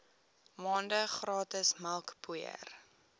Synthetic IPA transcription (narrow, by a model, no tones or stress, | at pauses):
mɑːndəχrɑːtəsməlˠkpuə̰r